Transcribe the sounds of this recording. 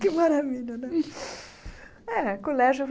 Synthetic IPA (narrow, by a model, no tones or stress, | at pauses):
kɪmaɾaviʎɐnɛ̃ | ɛkolɛʒjʊv